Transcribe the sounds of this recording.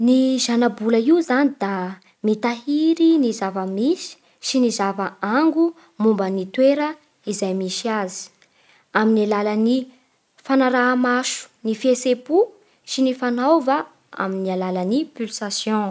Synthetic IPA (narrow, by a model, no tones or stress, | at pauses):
niʒanabulaiuzanid̪̥a | mit̪aɦiɾinizavəmisi̥ | sinizavaaŋɡu | mumbənit̪weɾə | izajmiʃiazi̥ | aminalalani | fanaɾaɦamaʃu̥nifesepu | sinifanawva | a̰minialalanipylsasjɔ̃